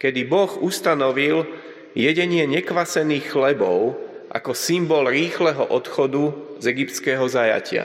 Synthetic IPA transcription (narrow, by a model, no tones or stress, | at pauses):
kɛd̪ibɔɣust̪anɔʋil | jɛɟɛɲɪɛɲɛkʋasɛniːxxlɛbɔʊʔa̰kɔsimbɔlɾiːxlɛɦɔʔɔt̪xɔd̪uzɛɡipt̪t͡sskɛːɦɔzaja̰cɪa̰